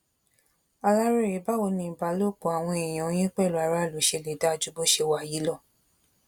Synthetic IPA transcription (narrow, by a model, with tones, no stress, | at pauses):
a˧la˦ɾe˦˨ɾe˨˦ba˦wo˨˧˦nĩ˧˨ba˧˦lo˦˨k͡po˨a˨w̃ɔ̃˧ɛ˨j̃ã˨o˨˦j̃ĩ˦k͡pɛ˦˨lo˨˦a˨˦ɾa˦˨lo˨˦ʃe˧˨le˨˦da˧˦˧d͡ʒu˦bo˦ʃe˧wa˨ji˨˦lɔ˦˨